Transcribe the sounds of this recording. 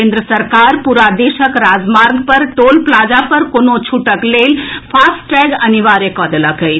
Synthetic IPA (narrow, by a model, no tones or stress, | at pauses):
end̪ɾəsəɾkaːɾpuɾad̪eʃəkɾaːd͡ʒmaːɾɡpɐɾʈoːlplaːd͡ʒapɐɾkonot͡ʃʰuʈəkleːlpʰaːsʈɛːɡɐniʋaːɾekɔːd̪elakəj